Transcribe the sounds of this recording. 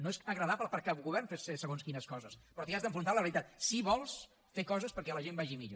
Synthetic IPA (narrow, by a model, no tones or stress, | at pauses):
noezəɣɾəðapləpəɾkapuɣuβɛrnfesesəɣonskinəskɔzəspɾɔt̪iazðəɱfɾunt̪aləβəɾit̪at̪siβɔlˠs | fekɔzəspəɾkɛləʒembaʒimiʎo̰